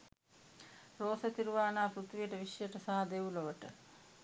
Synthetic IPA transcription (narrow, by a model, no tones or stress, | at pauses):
roːsɐt̪iɾuʋaːnaːpɾut̪ʋijəʈəʋiʂjəʈəsaɦɐd̪euloʋəʈə